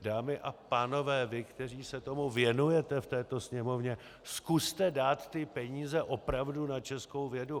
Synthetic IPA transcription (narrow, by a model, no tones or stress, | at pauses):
daːmɪʔapaːno̞vɛːvɪkt̪ɛr̝iːsɛt̪o̞muvjɛnujɛt̪ɛft̪ɛːt̪o̞sɲɛmo̞vɲɛ | skust̪ɛdaːt̪ːɪpɛɲiːzɛʔo̞pɾavdunat͡ʃɛsko̞wvjɛdu